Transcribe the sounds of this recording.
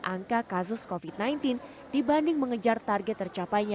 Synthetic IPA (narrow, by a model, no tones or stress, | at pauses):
ʔaŋkakas̬ʊskofit̪̚najnt̪in | d̥ibandɪŋməŋəd͡ʒart̪arɡɛt̪ːərt͡ʃapajɲa